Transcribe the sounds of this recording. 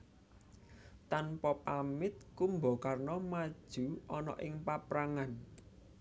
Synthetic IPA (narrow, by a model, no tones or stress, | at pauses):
t̪anpɔpamɪt̪̚kumbɔkarnɔmad̥ʒ̥ṳɔnɔ̰ʔɪŋpapɾaŋan